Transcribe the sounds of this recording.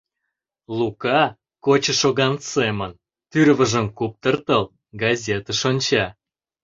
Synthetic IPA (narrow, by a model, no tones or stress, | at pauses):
lukɑ | kot͡ɕə̆ʃoɣɑnsemən | t̪yɾvə̆ʒə̆mkup̚t̪ərt̪əl | ɡɑzʲet̪əʃonʲt͡ɕɑ